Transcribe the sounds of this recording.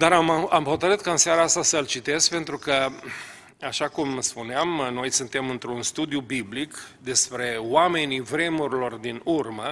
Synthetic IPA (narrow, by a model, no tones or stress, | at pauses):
d̪aɾamamho̞t̪əɾɨt̪kaɨnsjaɾaast̪asəlt͡ʃit̪e̞skpe̞nt̪ɾukə | aʃakumspuneamno̞jsɨnt̪e̞mɨnt̪ɾunst̪ud̪ijubiblikd̪e̞spɾe̞wame̞nivɾe̞muɾilo̞rd̪inurmə